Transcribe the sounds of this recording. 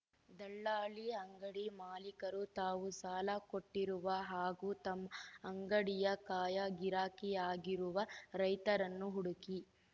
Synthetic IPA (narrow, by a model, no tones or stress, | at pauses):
d̪ɐɭːaːɭiɐŋɡɐɽimaːlikɐɾut̪aːʋusaːlɐkoʈːiɾuʋɐɦaːɡut̪ɐmːɐŋɡɐɽijɐkaːjɐɡiɾaːkijaːɡiɾuʋɐɾɐjt̪ɐɾɐnːuɦuɽuki